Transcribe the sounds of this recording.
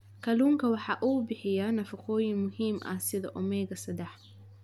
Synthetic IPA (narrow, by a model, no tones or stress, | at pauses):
kʰɐluːŋkʰɐwɑħɑːʔuːbɪħɪjanɐfɐqʰɔːjɪŋmʊɦiːmʔɐ̰sɪðɐ̰ʔʊmɛjɣɐsɐd̪ɛħ